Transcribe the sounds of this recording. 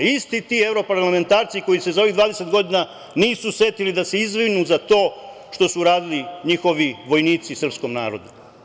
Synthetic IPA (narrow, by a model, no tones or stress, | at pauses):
ist̪it̪iːe̞vɾo̞paɾlame̞nt̪aːɾt̪siko̞jisezao̞ʋiɣd̪ʋaːd̪ese̞t̪ɡo̞d̪ina | niːsuse̞t̪ilid̪ase̞izʋɾinuzat̪o̞ː | ʃt̪o̞suɾaːd̪iliɲixo̞ʋiʋo̞jniːt̪sisr̩psko̞mnaːɾo̞d̪u